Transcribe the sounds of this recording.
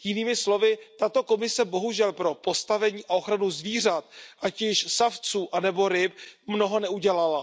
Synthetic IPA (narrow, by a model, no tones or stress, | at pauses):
jɪniːmɪslo̞vɪt̪at̪o̞ko̞mɪsɛbo̞ɦuʒɛlpɾo̞po̞st̪avɛɲiːʔao̞xɾanuzviːr̝at̪ʔacɪʃsaft͡suːʔanɛbo̞ɾɪp̚mno̞ɦo̞nɛuɟɛlala